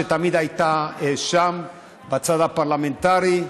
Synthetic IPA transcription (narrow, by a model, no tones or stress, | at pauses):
et̪amid̪ajt̪aeʃam | bat͡saðapaɾlament̪aɾi